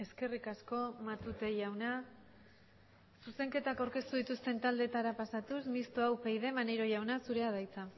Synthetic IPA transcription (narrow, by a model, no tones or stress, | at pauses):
e̞ske̞rikasko̞mat̪ut̪e̞ʝawna | suse̞ŋke̞t̪akawɾke̞st̪uðit̪ust̪e̞nt̪ald̪e̞t̪aɾapasat̪usmist̪oawpejðe̞mane̞ɾo̞ʝawnasuɾe̞að̞ajt͡sa